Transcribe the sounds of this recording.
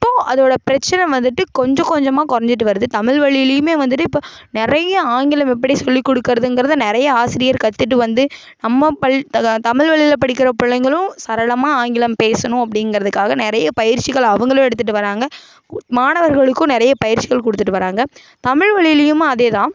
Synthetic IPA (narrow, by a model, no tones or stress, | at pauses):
ɪpːoːʔɐðoːɽɐpɪɾɐt͡ʃːɐnɐ̃ʋɐnd̪ɯʈːɯkɔɲd͡ʒɔ̃kɔɲd͡ʒɐmaːkɔɾɐɲd͡ʒɪʈ̬ːɯʋɐɾɯðɯt̪ɐmɪɭʋɐɭɪjlɪjɯmeːʋɐnd̪ɯʈːɯɪpːoː | nɪɾɐjɐaːŋɡɪlɐmɛp̬ːɐɽisɔlːikːɔɽɯkːɪɾɐðɯnɡɪɾɐðɯnɪɾɐjɐaːsɪɾɪjɐɾkɐt̪ːɯʈ̬ːɯʋɐnd̪ɯ | nɐmːɐpɐɭt̪ɐmɪɻʋɐɭɪlɐpɐɽɪk̬ːɪɾɐpʊɭːɐŋɡɐɭʊ̃sɐɾɐɭɐmaːaːŋɡɪlɐmpeːsɐnʊ̃ɐpːɐɽɪnɡɾɐðɯkːaːɣɐnɪɾɐjɐpɐjɪɾt͡ʃːɪɣɐɭɐʋɐŋɡɐɭʊ̃ɛɽɯt̪ːɯʈ̬ːɯʋɐɾaːŋɡɐ | maːɳɐʋɐɾɣɐɭɯkːʊ̃nɪɾɐjɐpɐjɪɾt͡ʃːɪɣɐɭkɔɽɯt̪ːɯʈːɯʋɐɾaːŋɡɐ | t̪ɐmɪɻʋɐɭɪlɪjɯmɐðeːt̪ãː